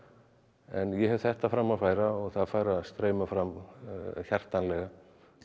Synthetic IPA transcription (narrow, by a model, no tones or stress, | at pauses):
ɛ̰njɛɦɛv̥θɛht̪afɾamːaðfaːjɾaɔɣθaðfaːjɾaðst̪ɾeːjmafɾam | çjar̥t̪anlɛɣa